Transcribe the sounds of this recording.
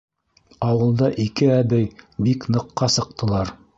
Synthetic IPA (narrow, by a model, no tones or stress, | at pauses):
ɑwɤ̆lˠd̪ɑʔikɘæbɘjbiknɤ̆qːɑsɤ̆q̚t̪ʰɤ̆lˠɑɾ